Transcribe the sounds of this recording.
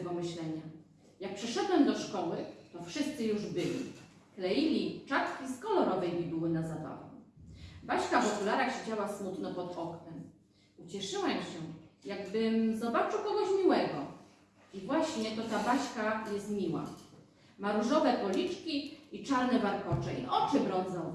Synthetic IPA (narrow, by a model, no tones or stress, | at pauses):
bɔmɘɕlɛɲa | jak̚pʂɛʂɛd̪wɛmd̪ɔʂkɔwɘt̪ɔfʂɘst̪sɘjuʐbɘlʲḭ | klɛjilʲit͡ʂat̪kʲiskɔlɔɾɔvɘmʲibɘwɘnazad̪ɔ̰lɔ̰ | baɕkavɔk̪ulaɾaxɕed͡ʑawasmut̪nɔpɔd̪ɔknɛm | ut͡ɕɛʂɘwɛmɕɛjaɡ̚bɘmzɔbat͡ʂɘwkɔɡɔɕmʲiwɛɡɔ | ivwaɕɲɛt̪ɔt̪abaɕkajɛst̪mʲiwa̰ | maɾuʐɔvɛpɔlʲit͡ʂkʲiit͡ʂaɾnɛvaɾkɔt͡ʂɛḭʔɔt͡ʂɘbɾɔnd̪zɔ̃w̃